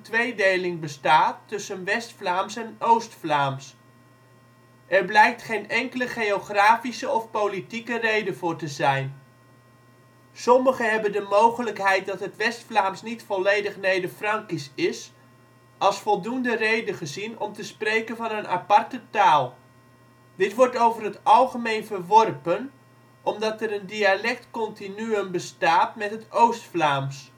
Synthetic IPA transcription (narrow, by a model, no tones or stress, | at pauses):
tʋejdejlɪŋbəstaːtːɵsənʋɛstflaːmsɛnowstflaːms | ʔɛrblɛjk̚tχejnɛŋkələχejoχraːfisəɔfpowlitikərejdəvʊːrtəzɛjn | sɔməχəɦɛbəndəmowχələkɦɛjt̚dɑtɦətʋɛstflaːmsnitfɔlejdəχnejdəfrɑŋkisɪs | ɑlˠsfɔlˠdundərejdəχəzinɔmtəsprejkənvɑnənʔa̰pɑrtətaːlˠ | dɪtʋɔrtowvərɦətɑlˠχəmejnvərʋɔrpən | ɔmdɑtəɾəndialɛk̚tkɔntinyənbəstaːtmɛtɦətowstflaːms